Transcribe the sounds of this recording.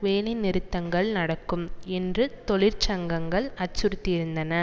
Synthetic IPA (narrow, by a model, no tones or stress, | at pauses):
ʋeːlɐɪnːɪɾɯt̪ːɐŋɡɐɭnɐɽɐkːɯmɛndrɯt̪ɔɭɪɾt͡ʃɐŋɡɐŋɡɐɭɐt͡ʃːʊɾɯt̪ːɪɪɾɯnd̪ɐnɐ